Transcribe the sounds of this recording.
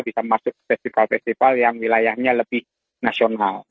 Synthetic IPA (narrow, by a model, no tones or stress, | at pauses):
bisamasʊk̚ːə̥fɛst̪ifalfɛst̪ifaljaŋwilajahɲaləbɪh | nasional